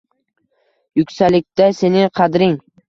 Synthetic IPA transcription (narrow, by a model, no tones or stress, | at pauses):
jʊkʲsalɪk̚ʲt̪ase̞nɪqʰɑd̪ɾɪŋ